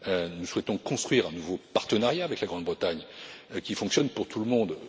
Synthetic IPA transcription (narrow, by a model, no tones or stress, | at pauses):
ønuswɛt̪ɔ̃kɔ̃st̪χɥiʁɛ̃nuvopaʁt̪ənaʁjaːvɛklaɡʁɑ̃d̪bʁət̪aɲkʲifɔ̃ksjɔnpuʁt̪ʰuləmɔ̃d̪